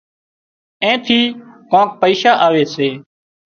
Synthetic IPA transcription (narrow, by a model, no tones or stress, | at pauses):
ẽːt̪ʰiːkõːk̚pəiːʃaːʔaːʋeːseː